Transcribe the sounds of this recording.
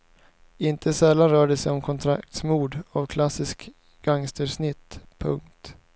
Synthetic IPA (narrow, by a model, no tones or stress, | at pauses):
ɪnt̪ʰəsɛlːanɾœːɖəsɛjɔmkʰɔnt̪ʰɾakt̪smuːd̪avkʰlasɪsk | ɡ̥aŋst̪əɾʂnɪt̪ːpʰɵ̰ŋkt̪